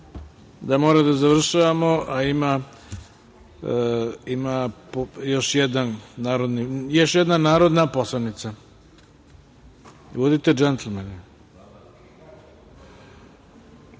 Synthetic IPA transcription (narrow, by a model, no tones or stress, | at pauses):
d̪amoːɾad̪azaʋr̩ʃaʋamoʔaima | imapjo̞ʃjɛd̪anːaːɾod̪nijoʃjɛd̪nanaːɾo̞d̪naposlanit̪sa | ʋod̪it̪ed͡ʒɛnt̪lmen